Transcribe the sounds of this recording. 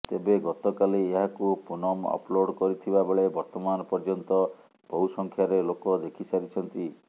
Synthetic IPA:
t̪ebeɡɔt̪ɔkalieɦakupunɔmɔ̰ploɖkɔɾit̪ʰibabeɭebɔɾt̪ɔmanɔpɔɾd͡ʒɔnt̪ɔ | b̥ɔɦusɔŋkʰjaɾelokɔd̪ekʰisaɾit͡ʃʰɔnt̪i

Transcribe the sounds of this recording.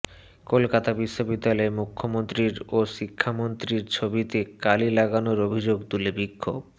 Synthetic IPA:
kolkat̪abiʃːobid̪ːalaemukʰːomont̪ɾiɾoʃikʰːamont̪ɾiɾt͡ɕʰobit̪ekalilaɡanoɾobʱid͡ʑoɡt̪ulebikʰːo̰b̚

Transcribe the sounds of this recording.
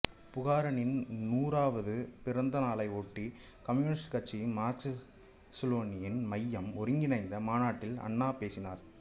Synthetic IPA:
pʊɣaːɾɐnɪnnuːɾaːʋɐðɯpɪɾɐnd̪ɐnaːlɐɪoːʈːi | kɐmjuːnɪsʈkɐʈt͡ʃːimaːt͡ʃɐ | sɐloːnɪjɪnmɐjːɐmɔɾɯŋɡɪnɐɪnd̪ɐmaːnaːʈːɪlɐ̰ɳːaːpeːsɪnaːɾ

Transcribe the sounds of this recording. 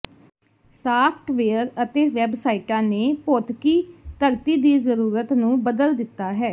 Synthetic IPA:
saːpʰʈʋeːəɾət̪eːʋɛːbsaːiːʈãːneːpoːt̪kiːt̪əɾt̪iːd̪iːzəɾuːɾət̪nũːbəd̪əld̪ɪt̪ːaːɦɛː

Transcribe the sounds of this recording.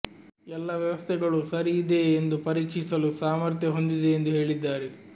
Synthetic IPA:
ɛlːɐʋjɐʋɐst̪ʰɛɡɐɭusɐɾiːd̪e̞ːnd̪upɐɾiːkʂisɐlusaːmɐɾt̪jɐɦo̞nd̪id̪eːnd̪uɦe̞ːɭid̪ːaːɾe

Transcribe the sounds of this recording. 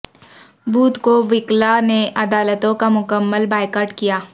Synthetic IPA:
buːt̪koʋɪklaneʔɐd̪aːlət̪õkamʊkəmːəlbaːɪkaːʈkijaː

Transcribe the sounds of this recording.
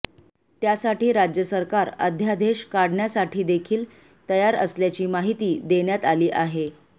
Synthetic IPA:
t̪jasaʈiːɾad͡ʑjəsəɾkaɾə̰d̪ʱjad̪ʱeɕkaɽɳjasaʈʰiːd̪ekʰiːl | t̪əjaɾə̰sljat͡ɕiːmaɦit̪iːd̪eɳjat̪aliːʔaɦe

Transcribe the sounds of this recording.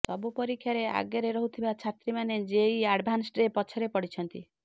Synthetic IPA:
t̪ɔbupɔɾikʰːjaɾea̰ɡjɔɾeɾɔɦut̪ʰibat͡ʃʰat̪ɾimaned͡ʒeiaɽbʱansʈɾepɔt͡ʃʰɔɾepɔɽit͡ʃʰɔnt̪i

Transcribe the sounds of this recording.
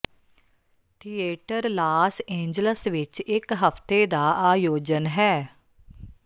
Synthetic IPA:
t̪ʰiːeːʈəɾlaːsẽːɲd͡ʒləsʋɪt͡ʃɪkɦəpt̪eːd̪aːʔaːjoːd͡ʒənɦɛː

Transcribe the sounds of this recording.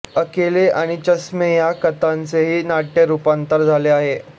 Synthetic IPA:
əkeleaɽ̃it͡ɕəsmejakət̪ant͡seɦiːnaʈːeɾupant̪əɾd͡zʱaleaɦe

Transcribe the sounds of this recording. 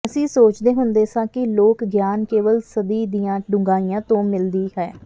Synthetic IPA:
əsĩːsoːt͡ʃd̪eːɦʊnd̪eːsãːkɪloːkɡjaːnkeːʋəlsəd̪iːd̪ijãːɖʊŋɡaːiːjãːt̪õːmɪld̪iːɦɛː

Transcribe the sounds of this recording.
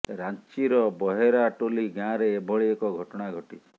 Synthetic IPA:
ɾant͡ʃiɾɔbɔɦeɾaʈoliɡãɾeːbʱɔɭiekɔɡʱɔʈɔɽ̃aɡʱɔʈit͡ʃʰi̥

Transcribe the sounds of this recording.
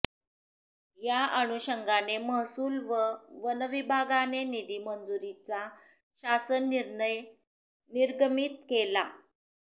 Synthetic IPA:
jaəɽ̃uɕəŋɡaneməɦsuːlʋəʋənəʋibʱaɡanenid̪iːmənd͡zuɾit͡sa | ɕasənj | niɾɡəmiːt̪̚kela

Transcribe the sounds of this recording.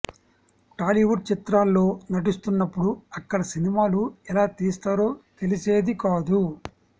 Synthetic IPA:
ʈaːliʋuʈ̚t͡ʃit̪ɾaːlːo̞ːnɐʈ̬ist̪unːɐpːuɽuɐkːɐɽɐsinimaːluɛlaːt̪iːst̪aːɾo̞ːt̪e̞lise̞ːd̪ikaːd̪u

